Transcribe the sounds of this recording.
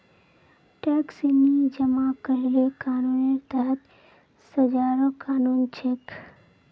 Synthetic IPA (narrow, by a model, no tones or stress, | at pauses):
ʈɛːksimid͡ʒəmakəɾilekaːnuːneɾt̪əɦət̪ | səd͡ʒaːɾokaːnuːnt͡ʃʰek